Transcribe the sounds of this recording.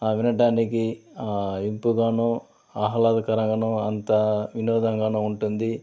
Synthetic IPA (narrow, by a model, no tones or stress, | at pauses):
aːʋinɐʈaːnikiaimpuɡaːnoː | aɦɐlaːd̪ɐkɐɾɐŋɡɐnoːɐnt̪ɐʋinɔːd̪ɐŋɡaːnoːuɳʈund̪i